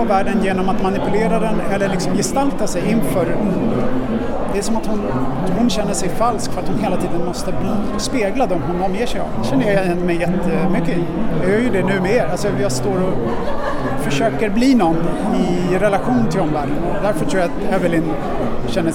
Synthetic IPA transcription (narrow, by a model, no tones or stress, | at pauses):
væːɖənjeːnɔmat̪manɪpɵleːɾad̪ɛnɛlːəɭɪksɔmjɪst̪alt̪asɛjɪnfœːɾ | d̪ɛæʂɔmat̪hʊnhʊnɕɛnːəʂɛjfalskfœɾat̪hʊnɦeːlat̪ʰiːd̪ənmɔst̪əb̪ː | speːɡlad̪ɔmɦʊnɔmːjeːʂɛja̰vd̪ɛɕɛnːəjɑjɛɛnːəmɛjɛt̪ːəmʏkːəɪ | jɑjœːɾjɵd̪ɛnʉ̟ːmɛeːɾalsɔjɑst̪oːɾɔ | fœʂøːkəɾbliːnɔnː | ɪ | ɾɛlaɧuːnənt̪ʰɪld̪ɔmvæːɖənɔd̪æɾfœʈʰɾuːjat̪ɛvəlɪn | ɕɛnːə